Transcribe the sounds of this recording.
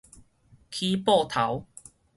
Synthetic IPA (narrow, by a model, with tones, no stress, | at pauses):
kʰi˦pɔ˥˧˨t̪ʰa˨˦w